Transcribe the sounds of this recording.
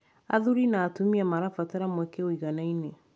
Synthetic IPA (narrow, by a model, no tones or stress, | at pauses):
a̰ðuɾinatumĩamaɾafataɾamokeoiɡanãĩnẽ